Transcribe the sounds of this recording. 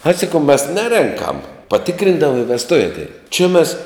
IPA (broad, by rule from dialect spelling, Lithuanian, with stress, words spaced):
ɐɪ sɐˈkɐʊ mʲɛs ˈnʲæːrʲɛŋkɐm pɐˈtʲɪkrʲɪndɐʋɐ ɪ ʋʲɛsˈtʊʋʲɛ ɐtʲˈɛɪn t͡ʃʲɪ mʲɛs